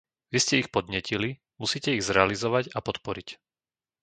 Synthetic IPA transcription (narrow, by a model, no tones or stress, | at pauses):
ʋiscɛixpɔd̪̚ɲɪɛcili | musiːcɛiɣzɾɛalizɔʋaɟapɔt̪pɔɾic